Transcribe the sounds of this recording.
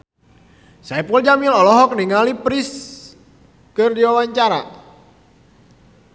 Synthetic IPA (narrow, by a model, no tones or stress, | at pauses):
saipuld͡ʒamilɔlɔɦɔk̚niŋalipɾis | kɨrdiwawaɲt͡ʃaɾa̰